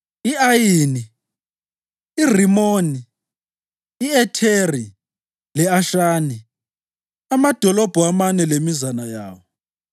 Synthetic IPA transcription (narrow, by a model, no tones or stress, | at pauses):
iajiːni | r̤imoːni | ɛtʰeri | lɛaʃaːni | amad̥ʱɔlɔb̥ʱɔamanɛlemizanaja̰ːwɔ